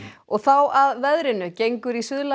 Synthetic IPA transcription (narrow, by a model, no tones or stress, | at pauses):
ɔɣθawaðvɛðɾɪnʏcejŋkʏɾisʏðla